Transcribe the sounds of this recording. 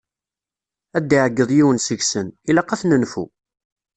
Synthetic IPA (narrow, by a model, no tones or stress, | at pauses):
æd̪ːiʕəɡːəðˤjiwənsəʝsənilæqæθnənfṵ